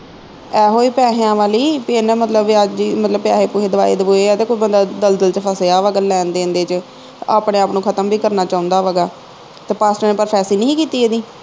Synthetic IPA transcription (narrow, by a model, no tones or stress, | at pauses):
ɛːɦoːiːpɛːɦeãːʋaːliːpeːnɛ̃ːmət̪ləbʋɪad͡ʒd͡ʒiːmət̪ləb̚pɪjaːɦeːpuːɦeːd̪əʋa̰ːḛːd̪əbuːeːɛːt̪eːkoːiːbənd̪aːd̪əld̪əlt͡ʃəpʰəseːaːʋəɡəlɛ̃ːnd̪eːə̃nd̪eːt͡ʃ | aːpɳẽːaːpnũːkʰət̪əmbiːkəɾnaːt͡ʃaːʊ̃nd̪aːʋəɡaː | t̪eːpaːsʈəɾnẽːpəɾpʰɛːsiːnĩkiːt̪iːeːd̪iː